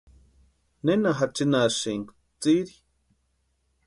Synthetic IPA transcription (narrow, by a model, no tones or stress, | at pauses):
nenaɦat͡ʃinaʃiŋk | t͡siɾi